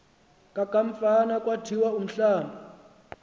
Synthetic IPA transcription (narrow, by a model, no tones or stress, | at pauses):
kʼakʼaɱ̩fanakʼwatʰiwaum̩ɬaːmba